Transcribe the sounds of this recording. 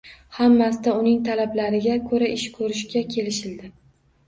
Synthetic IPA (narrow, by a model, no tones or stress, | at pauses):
hamːasɪd̪aʊnɪŋt̪ʰalablaɾɪɡʲakʰɵɾaʔɪʃkʰɵɾɪʃkʲakʲʰe̞lɪʃɪld̪ɪ